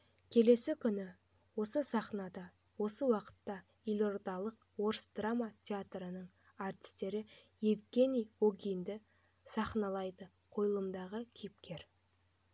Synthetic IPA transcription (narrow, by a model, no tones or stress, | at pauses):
kʲʰe̞le̞sɪkʲʰʏnɪ | wo̞səsɑχnɑd̪ɑ | wo̞səwɑqə̥t̪ːɑ | ilʲo̞rd̪ɑlˠəq | wo̞ɾsd̪ramat̪ʲʰeat̪rənəɴ | art̪ʲi̥st̪e̞ɾɪ | jevɡʲe̞nijoɡʲijnd̪ɪ | sɑχnɑlˠɑjd̪ə | qʰo̞jəlˠəmd̪ɑʁəkʲʰijɪp̚kʲe̞ɾ